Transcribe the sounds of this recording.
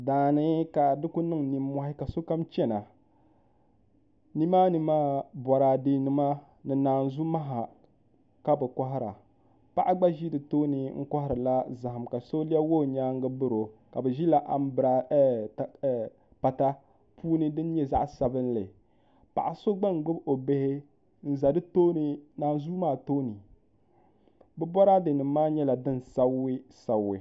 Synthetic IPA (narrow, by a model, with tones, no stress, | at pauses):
daː˨nɨ˦ka˨dɨ˦ku˦nɨ˦ŋni˦mːɔ˦hɪ˦ka˨so˦ka˦mt͡ʃɛ˦na˨ | ni˦maː˦ni˨˦maː˦bɔ˨ɾa˨de˦nɨ˦ma˦ | nɨ˨naː˨n˨zu˦ma˦ɦa˨ | ka˦bɨ˨kɔ˦ɦɪ˦ɾa̰˨ | pa˦ʔa˦ɡ͡ba˦ʒi˦dɨ˨toː˦nɨ˨ŋ̩˦ka˦hɪ˦ɾɨ˨la˦za˨ha˨mka˨so˦li˦a˦wo˦˨ɲaː˦ŋ˦ɡɨ˦bɨ˦ɾo˨ka˨bɛ˨ʒi˦la˨ʔa˦m˦bɨ˨ɾa˨˦˨ | pa˨ta˦ | pʰuː˦nɨ˦dɨ˦n˦ɲɛ˦za̰˦ʔsa˨bɨ˦n˦lɨ˨ | pa̰˨ʔa˨so˦ɡ͡ba˦ŋ˨˦ɡ͡bʊ˦bo˨be˦hɪ˦ | n̩˦za˨dɨ˦toː˦nɨ˨naː˨n˦zuː˦maː˦˨toː˦nɨ˨ | bɛ˦bɔ˦ɾa˦dɨ˨nɨ˨˦maː˦ɲɛ˦la˨dɨ˦n˨sa˦ɪ˦sa˨wɪ˨